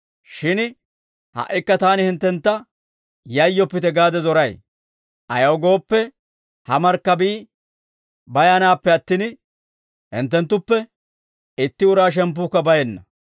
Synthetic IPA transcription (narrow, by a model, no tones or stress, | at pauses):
ʃɪn | hɐ̰ʔːɪkːɐt̪aːnɪhɪnt̪ːɛnt̪ːɐ | jɐjːɔpːɪt̪ɛɡaːd̪ɛzɔɾɐj | ʔɐjɐwɡo̞ːpːɛ | hɐmɐɾkːɐbiː | bɐjɐnaːpːɛɐt̪ːɪn | hɪ̰nt̪ːɛnt̪ːʊpːɛ | ɪt̪ːɪʊɾaːʃ̬ɛmp̬ːuːkːɐbɐjɛnːɐ